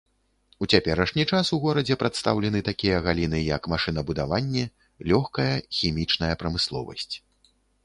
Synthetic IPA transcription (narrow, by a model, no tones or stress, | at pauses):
ut͡sʲapʲɛɾɐʂnʲit͡ʂasuɣɔɾɐd͡zʲɛpɾat̪st̪a̰wlʲɛn̪ɨt̪akʲijɐɣalʲinɨjɐkmaʂɨn̪ɐbud̪avanʲːɛ | lʲɔxkɐjɐxʲimʲit͡ʂnɐjɐpɾɐmɨslˠɔ̰vɐ̰sʲt͡sʲ